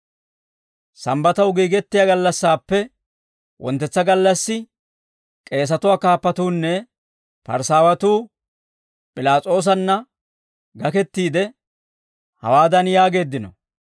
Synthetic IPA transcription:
sɐmbɐt̪ɐwɡiːɡɛt̪ːɪjaɡɐlːɐsːaːpːɛ | wʔɔ̰nt̪ːɛt͡sːɐɡɐlːɐsːɪ | kʼe̞ːs̬ɐt̪ʊwaːkaːpːɐt̪uːnːɛ | pɐ̰ɾsaːwɐt̪uː | pʼɪlaːt͡sʼo̞ːs̬ɐnːɐ | ɡɐkɛt̪ːiːd̪ɛ | hɐ̰waːd̪ɐnjaːɡe̞ːd̪ːɪnɔ̰

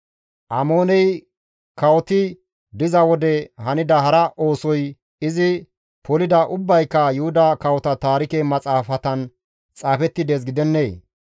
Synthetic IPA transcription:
ʔɐmo̞ːnɛj | kɐwɔt̪ɪ | d̪ɪzɐwɔd̪ɛhɐnɪd̪ɐɦɐɾɐʔo̞ːsɔj | ɪzɪ | pʰɔlɪd̪ɐʔʊbːɐjkːɐjʊhʊd̪ɐkɐwɔt̪ɐt̪aːɾɪkemɐt͡sʼaːfɐt̪ɐn | t͡sʼaːfɛt̪ːɪd̪eːs̬ɡɪd̪ɛnːeː

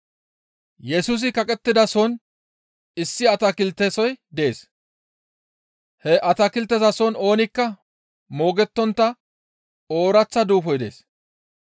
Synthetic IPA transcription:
jɛsus̬ɪkɐkʼɛt̪ːɪd̪ɐsɔn | ɪsːɪɐt̪ɐkɪlt̪ːesɔjd̪ɛeːs | hɛʔɐt̪ɐkɪlt̪ːɛzɐsɔno̞ːnɪkːɐ | mo̞ːɡɛt̪ːɔnt̪ːɐ | o̞ːɾɐt͡sːɐd̪uːfɔjd̪e̞̰ːs

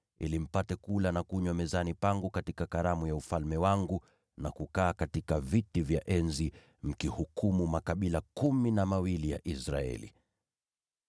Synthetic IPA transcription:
ḭlim̩patɛkulanakuɲwamɛzanipaŋɡukatikakaɾamujaufalmɛwaŋɡu | nakukaːkatikavitivjaʔɛnzi | m̩kihukumumakaɓilakuminamawilija̰ʔisɾaɛ̰lḭ

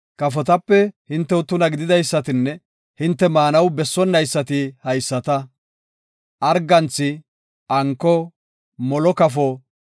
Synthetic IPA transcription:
kɐfɔt̪ɐpːɛhɪnt̪ːɛwʊt̪ːʊnɐɡɪd̪ɪd̪ɐjsːɐt̪ɪnːɛ | hɪnt̪ːɛmaːnɐwbɛsːɔnːɐjsːɐt̪ɪhɐjsːɐt̪ɐ | ʔɐɾɡɐnt͡sːɪ | ɐŋkːɔ | mɔlɔkɐfɔ

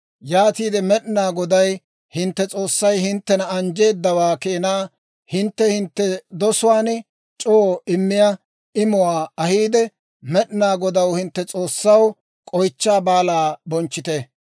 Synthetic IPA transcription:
jaːt̪iːd̪ɛmɛɗnaːɡɔd̪ɐj | hɪnt̪ːɛt͡sʼo̞ːsːɐjhɪnt̪ːɛnɐɐnd͡ʒe̞ːd̪ːɐwaːkeːnaː | hɪnt̪ːɛhɪnt̪ːɛd̪ɔsʊwaːn | t͡ʃʼoːɪmːɪjɐ | ɪmʊwaːɐhiːd̪ɛ | mɛɗɪnaːɡɔd̪ɐwhɪnt̪ːɛt͡sʼo̞ːsːɐw | kʼɔjt͡ʃːaːbaːlaːbɔnt͡ʃːɪt̪e

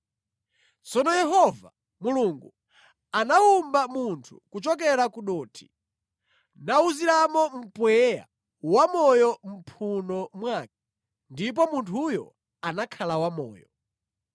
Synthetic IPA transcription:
t͡sɔnɔjɛɦɔva̰ | muluŋɡu | anaumbamuntʰu̥kut͡ʃɔk̬ɛɾakuɗɔːtʰi̥ | nauziɾamɔm̩pwɛja̰ | wamɔjɔm̩pʰunɔmwaːk̚i̥ | ndip̬ɔmuntʰujɔ̰ | anakʰalawamɔ̰ːjɔ

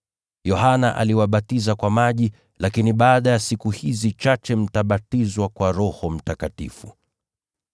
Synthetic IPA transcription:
jɔhanaʔa̰liwaɓatizakwamaʄi | lakiniɓaːɗajasikuhizit͡ʃat͡ʃɛm̩taɓatizwakwaɾɔhɔm̩takatḭfu

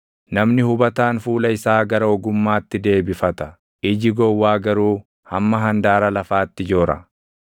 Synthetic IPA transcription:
nɐmnɪhʊbɐt̪aːnfuːlɐɪsaːɡɐɾɐɔɡʊmːaːt̪ːɪd̪e̞ːbɪfɐt̪ɐ | ɪd͡ʒɪɡɔwːaːɡɐɾuː | hɐmːɐɦɐnd̪aːɾɐlɐfaːt̪ːɪd͡ʒoːɾɐ̰

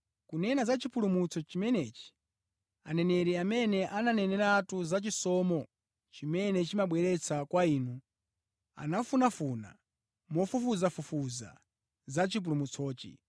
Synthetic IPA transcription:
kunɛnazat͡ʃipʰulumut͡sʰɔt͡ʃimɛnɛːt͡ʃi̥ | a̰nɛnɛɾɛamɛnɛʔananɛnɛɾatuzat͡ʃisɔmɔ | t͡ʃimɛnɛt͡ʃimaɓwɛɾɛt͡sʰakwaiːnu | a̰nafunafuna̰ | mɔfufuzafufuza̰ | zat͡ʃip̬ulumut͡sʰɔːt͡ʃḭ

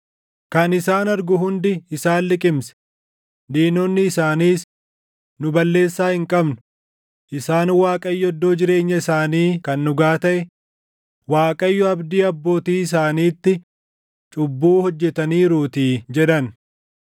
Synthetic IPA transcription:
kɐnɪsaːnɐɾɡʊɦʊnd̪ɪɪsaːnlɪkʼɪmsɛ̥ | d̪iːnɔnːɪːsaːniːs | nʊbɐlːe̞ːsːaːhɪŋkʼɐbnʊ | ʔɪsaːnwaːkʼɐjːɔɔd̪ːoːd͡ʒɪɾe̞ːɲːɐɪsaːniːkɐnːʊɡaːt̪ɐʔɛ | waːkʼɐjːɔɐbd̪iːɐbːo̞ːt̪iːɪs̬aːniːt̪ːɪ | t͡ʃʼʊbːuːhɔd͡ʒːɛt̪ɐniːɾuːt̪iːd͡ʒɛᶑ̪ɐn

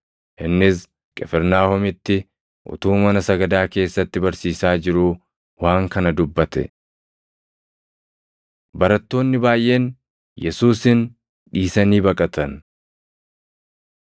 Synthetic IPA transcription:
ʔɪnːɪs | kʼɛfɛɾnaːhɔmɪt̪ːɪ | ʔʊ̰t̪uːmɐnɐsɐɡɐd̪aːke̞ːsːɐt̪ːɪbɐɾsiːsaːd͡ʒɪɾuː | waːŋkɐnɐd̪ʊbːɐt̪ɛ̰ | bɐɾɐt̪ːo̞ːnːɪbaːjʔe̞ːn | jɛsuːsɪn | ᶑiːsɐniːbɐkʼɐt̪ɐn

